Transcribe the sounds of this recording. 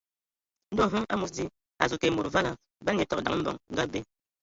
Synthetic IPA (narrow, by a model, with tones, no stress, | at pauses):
n̩˦do˦˨ɦu˦ŋa̰˦mu˨td͡zi˦ | a˨zu˨ke˨mu˨ɾva˦la˨ | ba˦ɛ˨tɔ˨k̚da˨ŋ˦m̩˦bɔ̰˨ŋŋ̩˦ɡa˦be˨